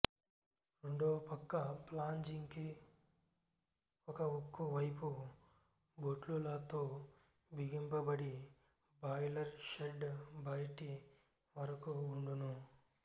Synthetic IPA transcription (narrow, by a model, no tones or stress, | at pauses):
ɾeɳɖoːpɐkːɐplaːɲd͡ʒiŋki | ɔkɐokːuʋɐjpu | boʈlulɐt̪oː | biɡimpɐbɐɽi | baːjlɐɾʃeɖbɐjʈi | ʋɐɾɐkuːɳɖunu